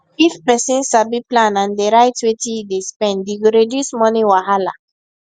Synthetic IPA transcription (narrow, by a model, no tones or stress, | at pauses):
ifpɛsĩnsabiplãnãndeɾaɪtwetidespɛ̃nddiɡoɾedjusmɔnĩwaɦala̰